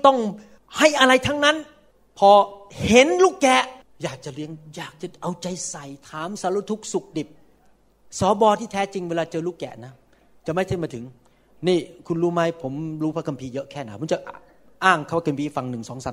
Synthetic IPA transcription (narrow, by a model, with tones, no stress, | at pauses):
t̪ɔ˥˩ŋ | ha˥˩jʔa˧ɾa˧jt̪ʰa˦˥ŋna˦˥n | pʰɔː˧he˨˦nluː˥˩kkːɛː˨˩ | jaː˨˩k̚t͡ɕa˨˩li˦˥əŋjaː˨˩k̚t͡ɕa˨˩ʔa˧wt͡ɕa˧jsa˨˩jt̪ʰaː˩˦msa˨˧˦luː˧˥t̪ʰu˦˥k̚su˨˩k̚di˨˩p̚ | sɔː˨˦bɔː˧t̪ʰiː˥˩t̪ʰɛː˦˥t͡ɕi˧ŋweː˧laː˧t͡ɕɤː˧luː˥˩kːɛ̰ː˨˩na˦˥ | t͡ɕa˨˩ma˥˩jt̪ʰa˥˩mː˧t̪ʰɯ˩˦ŋ | niː˥˩kʰu˧nɾuː˦˥ma˦˥jpʰo˩˦mɾuː˦˥pʰa˦˥kʰa˧mpʰiː˧jɤ˦˥ʔkʰɛː˥˩na˦˥˩o˩˦t͡ɕa˨˩ʔ | ʔaː˥˩ŋkʰa˥˩wa˧ka˧mpʰiː˧˩fa˧ŋnɯ˨˩ŋsɔː˩˦ŋsaː˨˦